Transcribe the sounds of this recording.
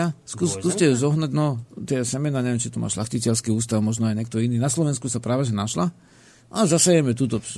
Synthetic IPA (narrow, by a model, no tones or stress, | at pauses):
askuskuːscɛzɔɦnaɟnɔt̪ɪɛsɛmɛnaːɲɛʋjɛmt͡ʃit̪uma̰ːʃlaxcicɛlskiːuːst̪aʊmɔʒnɔajɲɛk̚t̪ɔiniːnaslɔʋɛnskusapɾaːʋɛʒɛnaʃla | azasajɛmɛt̪̬uːt̪ɔ